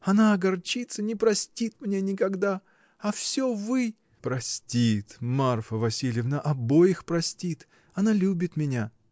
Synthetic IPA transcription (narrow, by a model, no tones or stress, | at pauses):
ɐnaɐɡɐrt͡ɕit̪sənʲɪpɾɐsʲtʲit̪mnʲe̞nʲɪkɐɡd̪a | ɐfsʲovɨ | pɾɐsʲtʲit̪marfəvɐsʲilʲjɪvnəʔɐbojɪxpɾɐsʲtʲit̪ | ɐnalʲubʲɪt̪mʲɪnʲa